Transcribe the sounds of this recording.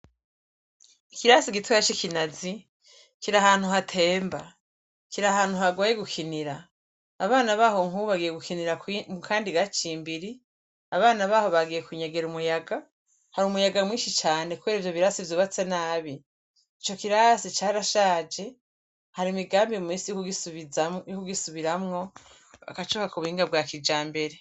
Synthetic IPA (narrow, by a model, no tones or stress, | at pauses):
ikiɾasiɡitujat͡ʃikinazi | kiɾahaːn̥huɦatʰe̞ːmba | kiɾahaːn̥huhaɡajeɡukʰiniɾaː | βaːnaβaːho̞ŋ̥uβaɡije̞ɡukʰiniɾakmukʰaːndiɡat͡ʃiːmbiɾi | aβaːnaβaːho̞βaɡije̞kuɲaɡe̞ɾumujaɡa | haɾumujaɡamwiːʃit͡ʃaːne̞kuβeɾivjo̞βiɾasivjoːβat͡senaːβi | it͡ʃo̞kiɾasit͡ʃaːɾaʃaːd͡ʒe̞ | haɾimiɡaːmbimiːsijoki | jokuɡisuβiɾamŋo̞ | βa̰kat͡ʃoːkakuβuhiːŋɡabɡaːkid͡ʒaːmbe̞ɾe̞